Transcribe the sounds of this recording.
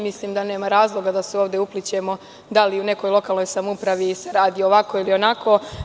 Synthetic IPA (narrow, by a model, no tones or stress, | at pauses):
misliːmd̪ane̞ːmaɾaːzlˠo̞ɡad̪aseoːʋd̪e̞uplit͡ɕe̞mo̞ | d̪aliune̞ko̞jlˠo̞kaːlˠno̞jsamupɾaʋiseɾaːd̪iooʋako̞ilio̞nakʰo̞